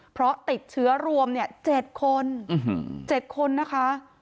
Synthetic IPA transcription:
pʰɾɔ˦˥t̪i˨˩t̪̚t͡ɕʰɯ˦˥ɐɾu˧əmni˥˩ət͡ɕe˨˩t̪̚kʰo˧n̩˨˦ | t͡ɕe˨˩t̪̚kʰo˧nːa˦˥kʰa˦˥

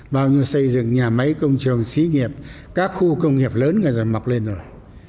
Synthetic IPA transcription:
ɓaː˧wɲi˧ə˧wsə˧jzɨ̰˧˨ŋɲaː˨˩mə˨˦jkə˧wŋ͡mt͡ɕɨ˨˩əŋsi˨˦ŋi˨˩əp̚ | kaː˦˥k̚xu˧kə˧wŋ͡mŋi˨˩əp̚ləː˨˦nŋa˨˩jza˨˩ma˨˩k̚le˧nzo˨˩j

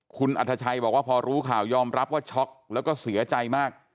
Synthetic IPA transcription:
kʰu˧nʔa̰˨˩t̪ʰːa˧t͡ɕʰa˧jbɔː˨˩k̚waː˥˩pʰɔː˧ɾuː˦˥kʰaː˨˩wjɔː˧mɾa˦˥p̚waː˥˩t͡ɕʰɔ˦˥k̚lɛː˦˥wkɔː˥˩si˩˦ɐt͡ɕa˧jmaː˥˩k̚

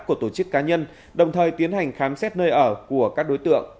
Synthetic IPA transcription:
ku˧˩ət̪o˧˩t͡ɕɨ˦˥kːaː˨˦ɲə˧n | ɗə˨˩wŋ͡mt̪ʰəː˨˩jt̪i˨˦ənha˨˩jŋ̟xaː˨˦msɛ˦˥t̚nəː˧jʔəː˧˩ku˧˩əkaː˦˥k̚ɗo˨˦jt̪ɨ̰˧˨əŋ

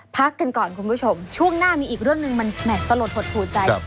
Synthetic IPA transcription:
pʰa˦˥kːa˧nkɔː˨˩nkʰu˧npʰuː˦˥t͡ɕʰo˧mt͡ɕʰu˥˩əŋnaː˥˩miː˧ʔiː˨˩k̚ɾɯ˥˩əŋnɯ˧ŋma˧nmɛː˨˩sa˧lo˨˩t̪̚ho˨˩t̪̚ʰːuː˨˩nt͡ɕa˧j

